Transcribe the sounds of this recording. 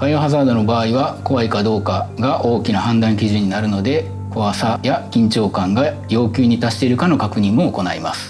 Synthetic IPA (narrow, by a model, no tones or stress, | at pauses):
ɸajoɦazaːd̪o̞no̞baːiβako̞βaikad̪o̞ːkaɡaʔo̞ːkʲinahãnd̪ãŋkʲiʑɨ̃ɲ̟inaɾɯ̟no̞d̪e̞ | koβasajakʲĩɲt͡ɕo̞ːkãŋɡa | jo̞ːkʲɨːɲ̟it̪aɕi̥t̪e̞iɾɯ̟kano̞kakɯ̟ɲ̟ĩmmoːko̞naima̰sɨ̥